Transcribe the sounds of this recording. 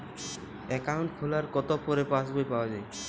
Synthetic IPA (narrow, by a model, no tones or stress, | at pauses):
ɛkaʊɳʈkʰulaɹkɔt̪ɔpɔɾɛpãsbʱojpawazaj